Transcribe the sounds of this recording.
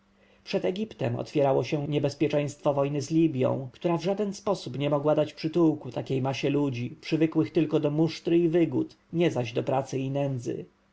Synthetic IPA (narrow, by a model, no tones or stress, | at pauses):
pʂɛd̪ɛɡʲipt̪ɛ̰mɔ̰t̪fʲjɛɾawɔɕɛɲɛbɛspʲjɛt͡ʂɛ̃j̃st̪fɔvɔjnɘzlʲibʲjɔ̰̃w̃kt̪uɾavʐad̪ɛnspɔsupɲɛmɔɡwad̪at͡ɕpʂɘt̪uwkut̪akʲejmaɕɛlud͡ʑipʂɘvɘkwɘxt̪ɘlkɔd̪ɔmuʂt̪ɾɘivɘɡut̪ | ɲɛzaʑd̪ɔpɾat̪sɘinɛnd̪zɘ̰